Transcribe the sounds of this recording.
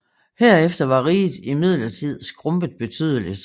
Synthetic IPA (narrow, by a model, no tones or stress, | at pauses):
heɐ̰efd̥ɐʋɑ̈ʁiːð̩ˠimið̞̰ˠlɐt͡sʰið̞̰ˠsɡ̥ʁɔ̽mb̥əð̩ˠb̥e̝t͡sʰy̰ːðˠəlid̥